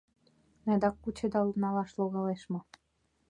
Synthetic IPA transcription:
næd̪ɑkːut͡ɕed̪ɑlnɑlɑʃloɣɑleʃmŏ

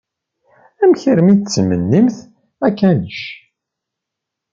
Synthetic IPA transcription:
æmçəɾmit͡sːmə̰nːimθ | ækːænəʃ

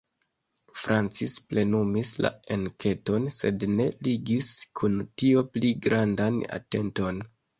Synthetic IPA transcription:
fɾant͡sisple̞numisla̰enkʰe̞to̞nse̞dne̞liɡiskʰuntio̞pliɡɾandana̰te̞nto̞n

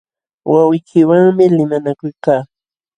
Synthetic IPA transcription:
wawɪjkʰɪwaŋmɪlɪmanakʊjkaː

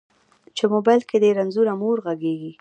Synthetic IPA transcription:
t͡ʃemobajlked̪eɾanzuɾamoɾɣaɡeɡi

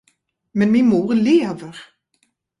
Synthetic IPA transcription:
mɛnminmuːʁleːvəɾ

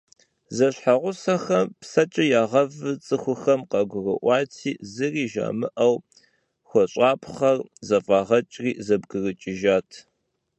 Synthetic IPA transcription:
zɐɕħaʁʷʊsɐxɐmpsɐt͡ʃʼɪjaːʁɐvɨt͡sʼɨxʷʊxɐmqɐɡʷʊrɨʔʷɑːtʰiːzɨriːʒa̰ːmɨʔɐw | xʷɔɕʼaːpʰχɐrzɐfʼaːʁɐt͡ʃʼriːzɐbɡɨrɨt͡ʃʼɪʒaːtʰ

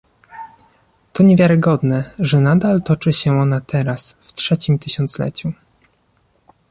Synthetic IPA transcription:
t̪ɔɲɛvʲjaɾɘɡɔd̪nɛʐɛnad̪alt̪ɔt͡ʂɘɕɛɔnat̪ʰɛɾasftʂɛt͡ɕimt̪ɘɕɔnt̪slɛ̰t͡ɕu

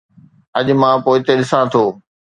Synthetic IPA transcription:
ɐʄmãpoːɪt̪eɗɪsãt̪ʰoː

